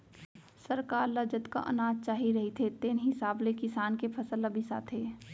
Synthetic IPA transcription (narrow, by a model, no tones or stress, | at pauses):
səɾkaːɾlɐd͡ʒət̪ka̰ʔɐ̰naːd͡ʒt͡ʃaːɦiɾɐɦit̪ʰet̪eːnɦɪsaːblekɪsaːnkepʰɐsəlɐbʱisa̰ːt̪ʰeː